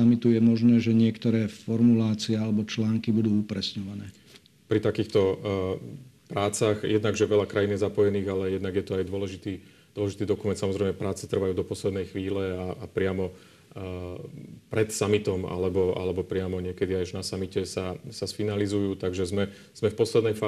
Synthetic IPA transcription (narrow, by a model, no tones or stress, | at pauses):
amit̪ujɛmɔʒnɛːʒɛɲɪɛkt̪ɔɾɛːfɔɾmulaːt͡siɛalɛbɔt͡ʃlaːŋkibud̪uːupɾɛsɲɔʋanɛː | pɾit̪akiːxt̪ɔ | pɾaːt͡saɣjʔɛd̪naɡʒɛʋɛʎakɾajinjɛzapɔjɛniːɣalɛjɛd̪naɡjɛt̪ɔajd̪ʊɔlɛʒit̪iː | d̪ʊwɔlɛʒit̪iːd̪ɔkumɛnt̪samɔzɾɛɪmɛpɾaːt͡sɛ̥t̪r̩ʋajuːd̪ɔpɔslɛd̪nɛjxʋiːlɛaapɾɪamɔ | pɾɛt̪samit̪ɔma̰lɛbɔa̰lɛbɔpɾɪamɔɲɪɛkɛd̪iajʒnasamicɛsasasfinalizujuːt̪aɡʒɛzmɛ | z̥mɛfpɔslɛd̪nɛjfaː